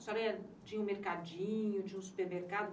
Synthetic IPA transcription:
st̪ɔɾɐt͡ʃĩɲɐũmeɾkad͡ʒĩɲʊt͡ʃĩɲɐũsu̥peɾmeɾkad̪ʊ

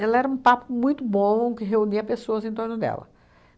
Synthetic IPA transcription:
ɛlɐɛɾɐũpapʊmũj̃t̪ʊbõẽkɪɦeuniɐpesoɐzẽt̪oɾnʊd̪ɛ̰lɐ̰

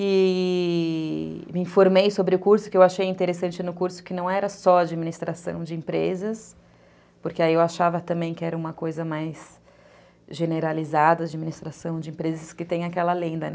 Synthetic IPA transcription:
ɪ | mɪĩfoɾmejsobɾɪʊkuɾsʊ̥kɪewaʃejĩnt̪eɾesɐ̃nt͡ʃɪnʊkuɾsʊ̥kɪnɐ̃w̃ɛɾɐsɔad͡ʒiminist̪ɾasɐ̰̃w̃d͡ʒɪĩpɾezɐs | pʊɾkɪaiewaʃavɐt̪ɐ̃mbẽj̃kɪɛɾɐũmɐkojzɐmajs | ʒeneɾalizad̪ɐːd͡ʒiminist̪ɾasɐ̃w̃d͡ʒɪĩpɾezɐskɪt̪ẽj̃akɛlɐlẽnd̪ɐn

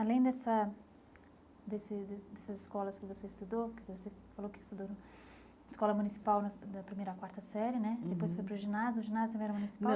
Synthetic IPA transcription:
alẽj̃d̪ɛsɐ | d̪esɪd̪d̪ɛsɐzɪskɔlɐskɪvoseɪst̪ud̪owkɪvosefalowkɪ̥st̪ud̪on | ɪskɔlɐmunisi̥pawnɐd̪ɐpɾimejɾɐkwaɾt̪ɐsɛɾjɪnɛd̪epojsfojpɾʊʒinazjʊʊʒinazjt̪ɐ̃mẽɛɾɐmunisi̥paw

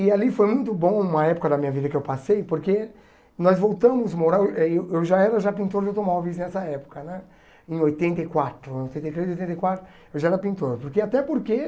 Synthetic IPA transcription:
ialifojmũj̃t̪ʊbõũmɐɛpʊ̥kɐd̪ɐmĩɲɐvid̪ɐkɪewpasejpoɾke | nɔzvowt̪ɐ̃mʊzmoɾaɾɛewewʒaɛɾɐʒapĩnt̪oɾd͡ʒewt̪omɔvisznɛsɐɛpʊ̥kɐnɛ | ẽj̃ojt̪ẽnt̪ɐjkwat̪ɾʊẽojt̪ẽnt̪ɐjt̪ɾezojt̪ẽnejkwat̪ɾʊ | ewʒaɛɾɐpĩnt̪oɾpoɾkeat̪ɛpoɾke

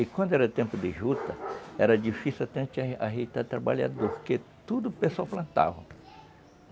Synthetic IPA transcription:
ɪkwɐ̃nd̪ʊɛɾɐt̪ẽmpʊd̪ɪʒut̪ɐɛ̰ɾɐd͡ʒifisiat̪ẽnt͡ʃ̪aɦejt̪at̪ɾaba̰ʎa̰d̪oɾket̪ud̪ʊpesawplɐ̃nt̪a̰vɐ̃

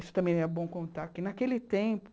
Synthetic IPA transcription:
isʊ̥t̪ɐ̃mẽj̃ɛɾbõw̃kõnt̪aɾkɪnakelɪt̪ẽpʊ̥

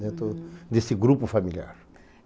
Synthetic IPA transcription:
d̪ẽnt̪ɾʊd̪esɪɡɾupʊfamilia̰ɾ

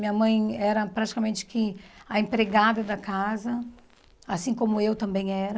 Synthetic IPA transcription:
mĩɲɐmɐ̃j̃ɛɾɐpɾat͡ʃi̥kɐmẽnt͡ʃɪ̥kɪɐẽpɾeɡad̪ɐd̪ɐkazɐ | asĩkõmʊewt̪ɐ̃mbẽj̃ɛɾɐ

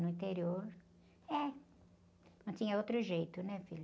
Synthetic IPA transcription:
nʊĩt̪eɾioɾ | ɛ | nɐ̃w̃t̪ĩɲɐowt̪ɾʊʒejt̪ʊnɛfil

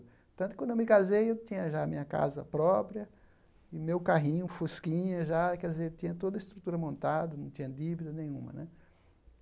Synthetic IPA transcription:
pt̪ɐ̃t̪ʊkɐ̃d̪ewmɪkazejewt̪ĩɲɐʒaːmĩɲɐka̰zɐ̰pɾɔpɾiɐ | ɪmewkaɦĩɲʊfuskĩɲɐʒakɛd̪izeɾt̪ĩɲɐt̪od̪ɐɪst̪ɾut̪uɾɐmõnt̪ad̪ɐnɐ̃w̃t̪ĩɲ̃ɐd̪ivid̪ɐnẽj̃ũmɐ̰nɛ

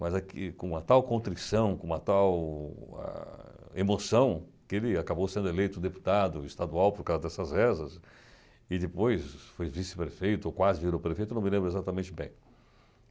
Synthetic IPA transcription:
mɐzakɪkõɐt̪awkõt̪ɾisɐ̃w̃kõɐt̪awɛ̰ | emosɐ̃w̃kɪelɪakabowsẽnd̪elejt̪ʊd̪epu̥t̪ad̪ʊɪst̪ad̪uawpoɾkawzɐd̪ɛsɐzɛzɐs | ɪd̪ɪpojsfojvisɪ̥pɾefejt̪ʊokwazɪviɾowpɾefejt̪ʊnɐ̃wmɪlẽmbɾʊezat̪ɐmẽnt͡ʃɪbḛ̃j̃

